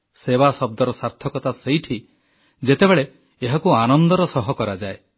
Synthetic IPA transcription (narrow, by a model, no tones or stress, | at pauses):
seβasɔb̚d̪ɔɾɔsaɾt̪ʰɔkɔt̪asejʈʰi | d͡ʒet̪ebeɭe | eɦakuanɔnd̪ɔɾɔsɔɦɔkɔɾad͡ʒae